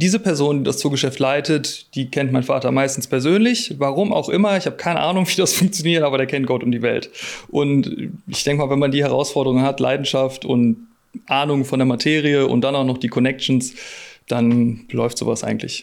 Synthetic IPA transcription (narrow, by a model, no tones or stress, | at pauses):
d̥iːzəpʰɛɐzoːndiːdast͡suːɐɡəʃɛftlaɪtətd̥iːkʰɛntmaɪnfaːtɐmaɪstn̩spʰɛɐzøːnlɪçvaʁ̞ʊmʔa̰ʊxʔɪmɐɪçhaːbəkʰaɪnə̰ʔaːnʊŋviːdasfʊŋk̚t͡sjoniːɐtʔaːbɐɾeːɐkʰɛnt̚ɡ̥ɔtʊmdiːvɛ̰ltʔʊntʔɪçd̥ɛŋkəmaːlvɛnmandiːhɛʁ̞a̰ʊsfɔɐdəʁʊŋənɦatlʔa̰ɪdn̩ʃaftʊ̰nt | ʔaːnʊŋfɔndeːɐmatʰeːʁiəʔʊ̰nt̚d̥anaʊxnɔχd̥iːkʰɔnɛk̚t͡ʃn̩sd̥anəlɔʏftz̥o̰ːva̰sʔa̰ɪɡŋ̩tʰlɪ̰ç